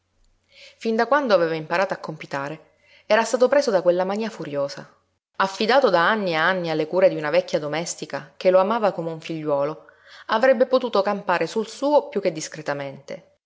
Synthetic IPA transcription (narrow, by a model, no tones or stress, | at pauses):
find̪akwand̪oaveːvaimpaɾaːt̪oakːompit̪aːɾe | ɛːɾast̪aːt̪opɾeːzod̪akwelːamaniːafuɾjoːza̰ | afːid̪aːt̪od̪aanːiaanːialːekuːɾed̪iunavɛkːjad̪omɛst̪ika̰k̟eloamaːvakomeuɱfiʎːwɔːlo | avɾɛbːepot̪uːt̪okampaːɾesulsuːopjuk̟ːed̪ːiskɾet̪ament̪ḛ